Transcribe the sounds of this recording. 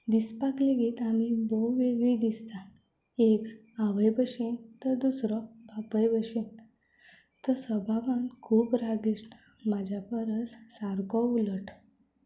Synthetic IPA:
d̪ispakleɡiːt̪amibɔʋeɡɭid̪ist̪a | ek | aʋəjbəɕent̪əd̪usɾɔbapəjbəɕen | t̪əsəbʱaʋankʰuːpɾaɡisn | mad͡ʑʱjapəɾət͡ssaɾkɔuləʈ

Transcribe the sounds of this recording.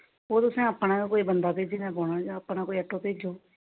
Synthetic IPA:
oːt̪ʊsẽːəpːnãːkoːiːbənd̪aːpeːd͡ʒeːnãːboːɽaːjaːəpnaːkoːiəʈʰːoːpeːd͡ʒoː

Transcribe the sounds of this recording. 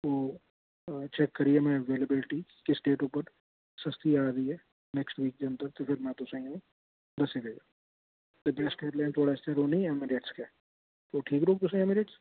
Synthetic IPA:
oː | t͡ʃɛkːəɾiemɛ̃əʋeːləbɪlɪʈi | kɪsɖeːʈupəɾ | sɐst̪iaːɾəiɦɛː | nɛːksʈʋiːk̚d͡ʒ̪eənt̪əɾt̪epʰɪɾmɛ̃t̪ʊsãĩũ | d̪ɐsided͡ʒaː | tt̪ebɛːskeːʈlɛ̃ːɳɖt̪ʰoːɽaɪst̪eɾoːnĩmɪɖeːʈskeː | t̪oːʈʰiːkɾoːk̚t̪ʊsə̃ɛmɪɖeːʈs

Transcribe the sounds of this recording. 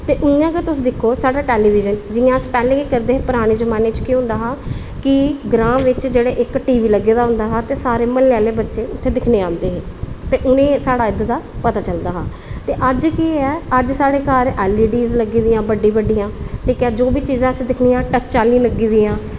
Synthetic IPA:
t̪eːʔʊjãːkeːt̪ʊsd̪ɪkʰːoːsaːɽaːʈɛːliːʋɪːd͡ʒənd͡ʒɪjãːspɛːlẽːkiːkəɾd̪eːɦepʊɾaːɽ̃eːzəmãːneːt͡ʃkiːɦʊ̃nd̪aːɦãː | kɪɡɾãːmʋɪt͡ʃd͡ʒeːɽeːʔɪkʈiːʋiːləɡeːd̪aːɦʊ̃nd̪aːɦaːt̪eːsaːɾeːməlːaːleːbətːʃeːʊt̪ʰːeːd̪ɪkʰneːãːnd̪eːɦeːt̪eːʔʊnẽːsaːɽaːɪd̪d̪aːpət̪aːt͡ʃəld̪aːɦãː | t̪eːʔəd͡ʒkiɛːəd͡ʒsaːɽeːkaɾɛːlːiːɖiːzləɡiːd̪ijãːbəɖːĩːbəɖːijãːʈ̪iːkɛːd͡ʒoːbiːt͡ʃiːzãːəsĩːd̪ɪkʰniːãːʈət͡ʃt͡ʃaːlĩːləɡːiːd̪iːãː

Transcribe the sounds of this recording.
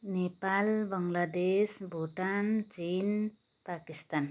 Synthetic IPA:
nepalbəŋlad̪esbʱuʈant͡ʃin | pakist̪an

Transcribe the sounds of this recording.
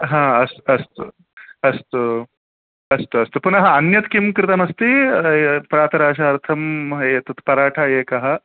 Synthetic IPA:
ɦãːɐsɐst̪ṵ | ɐst̪u | ɐst̪uɐst̪upunɐɦɐɐnjɐt̪kimkɾɪt̪ɐmɐst̪i | pɾaːt̪ʰɐɾaːʃɐɐɾt̪ʰɐmeːt̪ɐt̪pɐɾaːʈʰaeːkɐɦɐ

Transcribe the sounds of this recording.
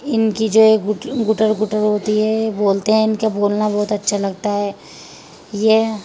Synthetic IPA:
ɪnkid͡ʒoːeːkɡʊʈəɾɡʊʈəɾɦoːt̪iɦɛboːlt̪eɦɛ̃ɪnkaboːlnabɔːʊt̪ɐtːʃʰalɐɡ̚t̪aɦɛː | je

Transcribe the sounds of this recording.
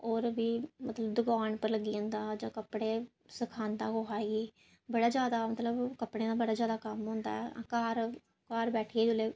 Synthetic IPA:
oːɾbiːmət̪ləbd̪ʊɡaːnpəɾləɡiːə̃ːnd̪aːd͡ʒãːkəpːɽeː | səkʰaːnd̪ãːɡoɦaːeɡeː | bəɽaːd͡ʒjaːd̪aːmət̪ləbkəpɽẽːd̪aːbəɽaːzjaːd̪aːkəmɦõːnd̪a̰ːɛːã̰ːkaːɾ | kaːɾbɛːʈʰiːeːd͡ʒʊleː

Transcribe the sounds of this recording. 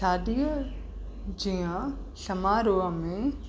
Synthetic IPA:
aːdi | d͡ʑiã | sɐmaːɾoːamẽ

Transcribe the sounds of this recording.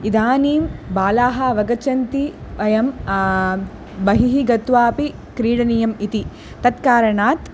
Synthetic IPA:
id̪aːniːmbaːlaːɦɐʋɐɡɐt͡ʃɐnt̪iʋɐjɐm | bɐɦiɦiɡɐt̪ʋaːpi | kɾiːɽɐnijɐmit̪i | t̪ɐt̪kaːɾɐɳaːt̪

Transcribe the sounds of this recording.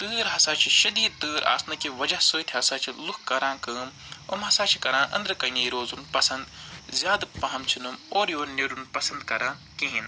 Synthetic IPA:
t̪ɨːɾɦɐsaːt͡ʃʰiʃɐd̪iːd̪̚t̪ɨːɾa̰ːsnɐkiʋɐd͡ʒɐhsəːt̪ʰʲɦɐsaːt͡ʃʰilukʰkɐɾãːkɨːm | ɐmɦɐsaːt͡ʃʰi̥kɐɾãːʔɐ̰nd̪ɾɨkɐnʲɐːjiɾoːzunpɐsɐnd̪zʲjaːd̪pɐɦɐmt͡ʃʰinɨmoːɾjoːneɾunpɐsɐnd̪kɐɾãː | kĩɦin

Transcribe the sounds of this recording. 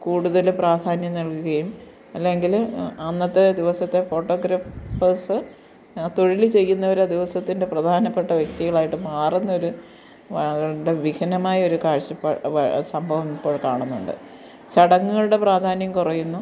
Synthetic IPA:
kuːɽuðɐlpraːd̪ʱaːnjɐmnɐlkuɣɐjum | ɐlːe̞ŋɡilɐnːɐt̪ːed̪iʋɐsɐt̪ːe̞fo̞ːʈːo̞ːɡɾaːfɐsɨ | t̪o̞ɻilit͡ɕe̞jːunːɐʋɐɾɐd̪iʋɐsɐt̪ːinde̞prɐd̪ʱaːnɐpːe̞ʈːɐʋjekt̪iɣɐɭaːjiʈːɨmaːrunːɐo̞ɾu | ʋɐɳɣɐɭɽeʋikɐnɐmaːjɐo̞ɾukaːɻɕɐpːɐɐsɐmbʱɐʋɐmipːo̞ːɭkaːɳunːuɳɖɨ̰ | t͡ɕɐɽɐŋːuɣɐɭuɽe̞praːd̪ʱaːnjɐmkurɐjːunːu

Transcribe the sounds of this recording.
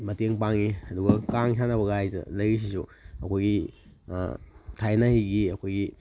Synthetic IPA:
mɐteŋpaŋiɐduɡɐkaŋsanɐbɐɣaajzɐ̰lɐjɾis̬isuɐkʰojɡḭ | tʰajnahiɡiɐkʰojɡi

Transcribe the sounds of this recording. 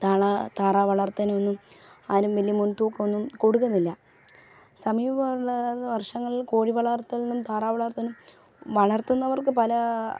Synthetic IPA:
t̪aːɭat̪aːraːʋɐɭɐrt̪ːɐnɐonːumaːɾumʋelijɐmunt̪uːkːɐonːumkoɽukːunːilːɐ | sɐmiːʋɐɐʋɐrʂɐŋːɐɭilkoːɻiʋɐɭɐrt̪ːɐɭinumt̪aːraːʋɐɭɐrt̪ɐnum | ʋɐɭɐrt̪unːɐʋɐrkɨpɐlɐ

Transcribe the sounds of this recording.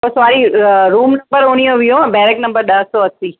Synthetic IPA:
osaɾiɾuːmnɐmbəɾoɳ̃ijoʋijõbɛɾeknəmbəɾɗ̪əsoəsi

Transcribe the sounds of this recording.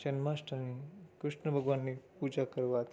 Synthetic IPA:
t͡ʃɛnmasʈʰəɾnikɾuʃɳəbʱəɡʋanːipud͡ʒakəɾʋat̪ʰ

